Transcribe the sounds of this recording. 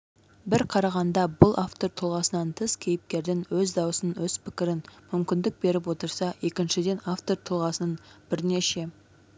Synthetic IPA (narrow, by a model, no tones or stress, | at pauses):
bɪɾqʰɑɾɑʁɑnd̪ɑbʊlˠaft̪o̞ɾt̪ʰʊlˠʁɑsənɑnt̪ʰəskʲʰe̞jɪp̚kʲe̞ɾd̪ɪŋwɵzd̪ɑwəsənwɵz̥pʰɪkʲɪɾɪnmʏmkʲɪnd̪ɪk̚be̞ɾɪp̬wo̞t̪əɾsɑje̞kʲɪnʃɪd̪e̞naft̪o̞ɾt̪ʰʊlˠʁɑsənənb̥ɪɾne̞ʃe̞